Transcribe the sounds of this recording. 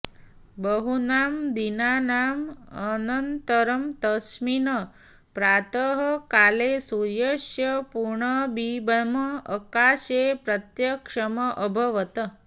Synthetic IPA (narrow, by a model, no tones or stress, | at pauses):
bəɦunaːmd̪inanamənənt̪əɾəmt̪əsminə | pɾat̪əɦəkalesujəʂjəpuɾɳəbibəməəkaɕepɾət̪jəkʂəməʔəbʱəʋət̪ə